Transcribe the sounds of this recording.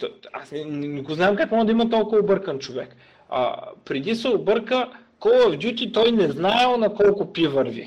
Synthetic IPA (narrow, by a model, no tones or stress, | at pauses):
t̪a̰snɛnɛnɛɡoznaɛmkakmɔʒəd̪ɐimɐt̪ɔlˠkʊvɐobɤɾkənt͡ʃovɛk | a̰pɾɛd̪isɛobɤɾkə | kɔlˠɐvd̪jut̪ʲit̪ɔjnɛznaɛlˠnɐkɔlˠkʊpʲivəɾvḭ